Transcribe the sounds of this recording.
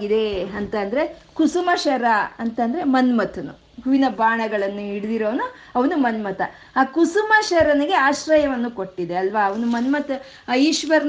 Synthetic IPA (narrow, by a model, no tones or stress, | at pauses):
ɡid̪e̞ɐnt̪ɐːnd̪ɐɾe̞kusumɐʃɐɾɐɐnt̪ɐnd̪ɐɾe̞mɐnmɐt̪ʰɐnṵ | ɦuʋinɐbaːɳɐɡɐɭɐnːuiɽid̪iɾoːnu | ɐʋɐnumɐnmɐt̪ɐ | aːkusumɐʃɐɾɐneɡe̞aːʃɾɐjɐʋɐnːuko̞ʈːid̪eɐlʋaɐʋɐnumɐnmɐt̪ʰɐ | jiːʃʋɐɾn